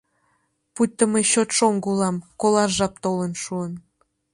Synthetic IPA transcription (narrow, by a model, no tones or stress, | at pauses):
put̪̚ʲːəmeɕot̪ʃoŋɡulɑmkolˠɑrʒɑp̚t̪olənʃuən